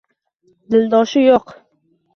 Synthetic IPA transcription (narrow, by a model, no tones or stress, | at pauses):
d̪ɪld̪ɒʃɪjoq